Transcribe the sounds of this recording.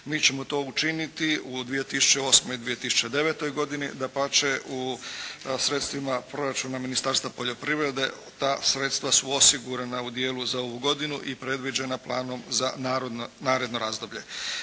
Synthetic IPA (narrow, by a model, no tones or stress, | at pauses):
miːt͡ɕe̞mot̪o̞ːut͡ʃinit̪iud̪ʋije̞t̪isu̥t͡ʃe̞o̞ːsmoid̪ʋije̞t̪isu̥t͡ʃe̞d̪e̞ʋet̪o̞jɡo̞d̪inḭd̪apat͡ʃeʔu | sɾe̞t̪st̪ʋimapɾo̞ɾat͡ʃunaminist̪aːɾst̪ʋapo̞ʎo̞pɾiːʋɾe̞d̪e̞̰ | t̪aːsɾe̞t̪st̪ʋasuo̞siɡuɾanaud̪je̞ːluzao̞ʋuɡo̞d̪inuʔipɾe̞d̪ʋid͡ʒe̞naplˠa̰ːno̞mzanaɾonaːɾe̞d̪noɾaːzd̪o̞bʎe̞